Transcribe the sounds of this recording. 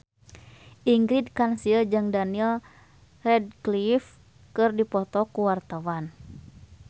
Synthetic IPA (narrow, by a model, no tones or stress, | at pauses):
ʔiŋɡɾidkansiəd͡ʒɨŋdaniɛl | rɛd̚klif | kɨrdipɔt̪ɔkuwart̪awan